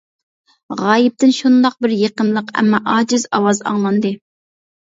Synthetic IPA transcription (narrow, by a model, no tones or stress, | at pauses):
ʁɑːjɪp̚t̪ɪnʃund̪ɑq̚bɪɾjeqəmlˠəqɛ̰mːɑʔɑːd͡ʒɪzɑwɑzɑ̰ŋlˠɑnd̪ɨ